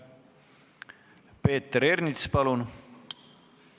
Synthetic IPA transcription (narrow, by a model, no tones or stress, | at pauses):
pe̞ːt̪ːeɾernit̪spɑlun